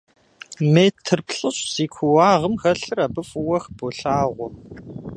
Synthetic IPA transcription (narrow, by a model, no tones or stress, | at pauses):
meːtʰːɨrpɬʼɨɕsiːkʷʰuwaːʁəmxɐɬɨrabɨfʊwɐxb̥oɬaːʁʷʊ